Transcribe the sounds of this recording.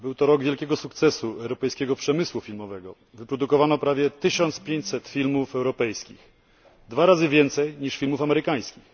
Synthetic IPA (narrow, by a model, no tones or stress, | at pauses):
bɘwt̪ɔɾɔɡvʲjɛlkʲɛɡɔsukt̪sɛsuɛwɾɔpɛjskʲɛɡɔpʂɛmɘswufʲilmɔvɛɡɔ | vɘpɾɔd̪ukɔvanɔpɾavʲjɛt̪ɘɕɔnt̪spʲjeɲt͡ɕsɛt̪fʲilmufɛwɾɔpɛjskʲḭx | d̪vaɾazɘvʲjɛnt̪sɛjɲiʂfʲilmufamɛɾɘkaj̃skʲix